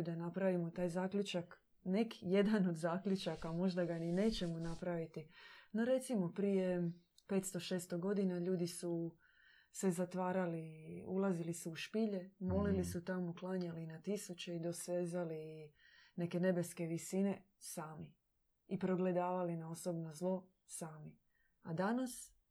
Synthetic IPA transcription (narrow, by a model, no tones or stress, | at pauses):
d̪anapɾaʋimot̪aːjzaːkʎut͡ʃak | nekije̞d̪ano̞d̪zaːkʎut͡ʃakamo̞ʒd̪aɡanine̞ːt͡ɕe̞monapɾaʋit̪inoɾe̞t̪simo̞pɾije̞pe̞ːt̪st̪o̞ʃe̞ːst̪oɡo̞d̪inaʎuːd̪isu | se̞zat̪ʋaːɾaliṵlˠaziliseuʃpiʎe̞mo̞lilisut̪amuklˠaːɲalinat̪isut͡ɕeid̪o̞sʋeːzali | ne̞ke̞ne̞be̞ske̞ʋisine̞ | saːmi | ipɾo̞ɡle̞d̪aːʋalinaoso̞bnozlˠo̞ | saːmi | ad̪anas